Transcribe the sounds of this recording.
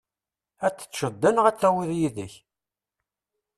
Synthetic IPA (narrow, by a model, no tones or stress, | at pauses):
æt͡sːə̥t͡sːʃəd̪ːænʁæt͡sːæwiðjiðəç